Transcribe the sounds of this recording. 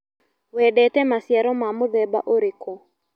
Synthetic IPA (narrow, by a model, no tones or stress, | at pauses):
wɛɗɛtɛmasjaɾɔmamʊðɛba̰ʔoɾikɔ